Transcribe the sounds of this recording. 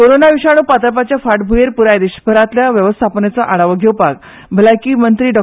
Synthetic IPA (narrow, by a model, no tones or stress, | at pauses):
koɾonaʋiɕaɽ̃uːpat̪ɾəpat͡ɕjafaʈbʱujeɾpuɾajd̪iɕbʱəɾat̪ljaʋjəʋəst̪ʰapənet͡saʔaɭaʋəɡʱewpaɡ | bʱəlakiːmənt̪ɾiːɖɔ